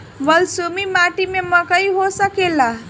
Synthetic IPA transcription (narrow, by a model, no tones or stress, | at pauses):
ʋəlsumimaʈimeməkaiɦosakela